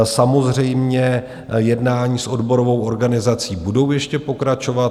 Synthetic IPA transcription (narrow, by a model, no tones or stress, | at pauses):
samo̞zr̝ɛjmɲɛ | jɛdnaːɲiːsʔo̞dbo̞ɾovo̞wʔo̞ɾɡanɪzat͡siːbudo̞wjɛʃcɛpo̞kɾat͡ʃo̞vat̪